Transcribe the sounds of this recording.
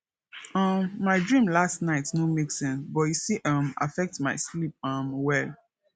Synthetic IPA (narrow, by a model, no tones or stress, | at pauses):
ʌ̃mːaɪdɹĩmlastnaɪtnomeksɛ̃nsbɔtjusiʔʌ̃ma̰fɛk̚tmaɪslip̚ʌ̃mwɛl